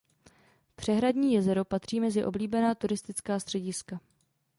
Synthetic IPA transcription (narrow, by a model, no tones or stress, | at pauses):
pr̝̥ɛɦɾadɲiːjɛzɛɾopat̪r̝̥iːmɛzɪʔo̞bliːbɛnaːt̪uɾɪst̪ɪt͡skaːst̪r̝̥ɛɟɪska